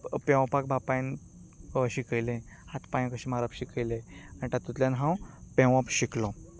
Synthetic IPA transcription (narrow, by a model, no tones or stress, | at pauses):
pɛ̃ʋ̃pak̚bʱapãjn | əɕikəjlẽhat̪pãj̃kəɕimaɾapɕikʰəjlẽanit̪at̪ːut̪ljanɦãwpɛ̃ʋ̃ãpɕiklɔ